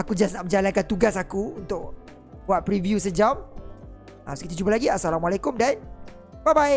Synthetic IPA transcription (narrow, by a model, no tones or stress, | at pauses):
akud͡ʒasnaʔmə̃ɲd͡ʒalankant̪uɡas̬akuunt̪ʊk̚ | buat̪̚pɾivjus̬əd͡ʒam | a̰mskit̪ud͡ʒupalaɡiasalamalakʊmdan | babaj